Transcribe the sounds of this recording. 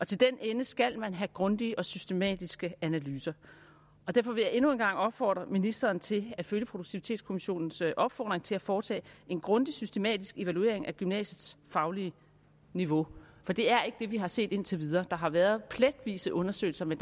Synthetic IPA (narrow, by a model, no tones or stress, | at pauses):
ʔɒ̽t͡sʰe̝ld̥enenəsɡ̥æl̰mænɦæɡ̥ʁɔ̽nd̥iəʔɒ̽sysd̥e̝mɛ̰ːd̥isɡ̥əænælyːsɐ | ɒ̽d̥æɐfɒ̽ʋe̝jɑ̈ʔe̝nue̝nɡ̥ɑ̈ŋ̰ɒ̽b̥fɒ̰ːd̥ʁɐminisd̥ɐːnt͡sʰe̝læd̥føljəpʰʁo̝douɡ̥̚t͡sʰiʋit͡sʰe̝ːdskʰo̝miɕo̝̰ːnn̩sʔɒ̽b̥fɒ̰ːd̥ʁeŋt͡sʰe̝læfɒːt͡sʰɛ̰ːe̝nɡ̥ʁɔ̽nd̥isysd̥e̝mɛ̰ːd̥isɡ̥e̝ʋælue̝̰ɐ̰eŋʔæɡ̥ymnɛ̰ːɕəð̩ˠsfɑ̈ʊliə | niʋo̝fɒ̽d̥e̝æɐe̝ɡ̥d̥e̝ʋiɦɑ̈se̝̰ːd̥e̝n̰t͡sʰe̝ʋið̞ˠɐːd̥ɑ̈ɦɑ̈ʋæːɐðˠpʰled̥ʋḭːsəʔɔ̽nɐsø̰ɪl̩sɐmen